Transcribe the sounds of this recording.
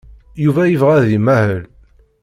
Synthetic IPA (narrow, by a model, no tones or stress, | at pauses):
juvæjəvʁæðimæhəl